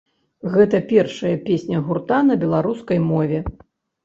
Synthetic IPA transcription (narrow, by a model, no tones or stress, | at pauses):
ɣɛt̪ɐpʲɛrʂɐjɐpʲesʲnʲɐɣurt̪anɐbʲɛlˠaɾuskɐjmɔvʲɛ